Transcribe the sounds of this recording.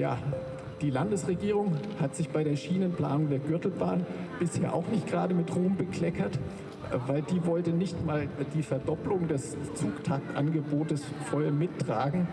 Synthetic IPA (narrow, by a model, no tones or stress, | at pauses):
ja̰ː | d̥iːlandəsʁ̥eɡiːʁ̞ʊŋhatz̥ɪçb̥aɪɾeːɐʃiːnənpl̥a̰ːnʊŋdeːɐɡʏɐtl̩ba̰ːnb̥ɪsheːɐʔa̰ʊxnɪçtɡəʁaːdəmɪtʁuːmbəkl̥ɛkɐt | vaɪldiːvɔltənɪçtmaːldiːfɛɐdɔplʊŋdɛst͡suːktʰak̚tʔa̰nɡəboːtəs | fɔʏɐmɪtːʁ̥aːɡŋ̩